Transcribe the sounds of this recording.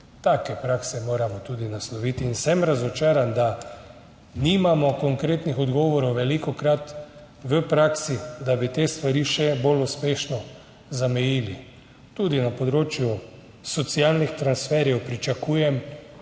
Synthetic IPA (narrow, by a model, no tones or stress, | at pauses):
t̪aːkɛpɾaksɛmoːɾamɔt̪uːd̪inaslɔʋit̪iːnsɛmɾazɔt͡ʃaːɾand̪a | nimamɔkɔŋkɾeːt̪nixɔd̪ɡɔːʋɔɾɔwʋɛlikɔkɾat̪ | ʋəpɾaːksid̪abit̪eːst̪ʋaɾiːʃɛboluspeːʃnɔ | zamɛjili | t̪uːd̪inapɔd̪ɾoːt͡ʃju | sɔt̪sialnixt̪ɾansfɛɾjɛwpɾit͡ʃakuːjɛm